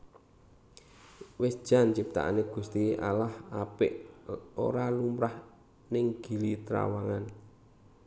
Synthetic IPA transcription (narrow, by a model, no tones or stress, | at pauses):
wɪsd̥ʒ̥a̤nt͡ʃip̚t̪a̰ʔa̰neɡ̥ṳst̪ia̰lahapɪʔo̰ɾalumɾah | nɪŋɡ̥i̤lit̪ɾa̰waŋan